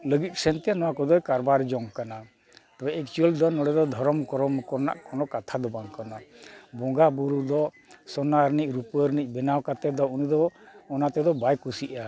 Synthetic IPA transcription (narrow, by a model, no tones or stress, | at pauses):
ləɡit̪̚ˀsɛnt̪ɛnɔwakɔd̪ɔjkaɾbaɾd͡ʒɔŋkana | t̪ɔbɛɛk̚t͡ʃuəld̪ɔnɔɽɛd̪ɔd̪ʱɔɾɔmkɔɾɔmkɔɾna̰ʔkɔnɔkat̪ʰad̪ɔbaŋkɔnabɔŋɡabuɾud̪ɔ | sɔnaɾnic̚ˀɾupəɾnic̚ˀbɛnawkat̪ɛd̪ɔunid̪ɔːnat̪ɛd̪ɔbajkusiʔa